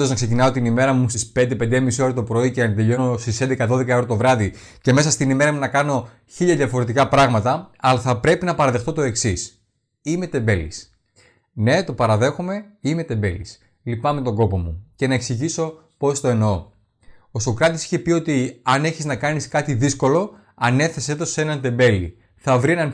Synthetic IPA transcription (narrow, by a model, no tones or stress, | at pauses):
oznɐkse̞cinɐot̪inime̞ɾɐmust̪ispe̞nd̪epe̞nd̪emisio̞ɾet̪opɾo̞icenɐt̪d̪eʎo̞no̞st̪isend̪ekɐðo̞ðe̞kɐeɾot̪o̞vɾɐði | ce̞me̞sɐst̪inime̞ɾɐmunɐkɐno̞ | çiʎɐðʝɐfo̞ɾe̞t̪̬ikɐpɾɐɣmɐt̪ɐɐlɐθɐpɾe̞pinɐpɐɾɐðe̞xt̪o̞t̪o̞e̞ksis | ime̞t̪e̞mbe̞lḭs | ne̞t̪o̞pɐɾɐðe̞xome̞ime̞t̪e̞mbe̞lḭs | lipɐme̞t̪o̞ɡo̞po̞muce̞nɐe̞ksiʝiso̞ | po̞st̪o̞e̞noo | osokɾɐt̪isi̥çe̞pio̞t̪iɐne̞çiznɐkɐniskɐt̪iðisko̞lo̞ | ɐne̞θe̞set̪o̞se̞nɐnt̪e̞mbe̞lḭ | θɐvɾie̞nɐn